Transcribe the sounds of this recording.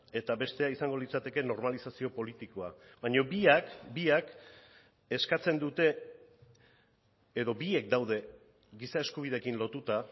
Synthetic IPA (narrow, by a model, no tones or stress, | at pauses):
e̞t̪aβe̞st̪e̞aisaŋɡo̞lit͡sat̪e̞ke̞no̞ɾmalisasio̞po̞lit̪iko̞abaɲo̞biakbiak | eskat͡se̞nd̪ut̪e̞ | ðo̞bie̞k̚d̪awð̞e̞ | ɡisae̞skuβ̞ið̞e̞kinlo̞t̪ut̪a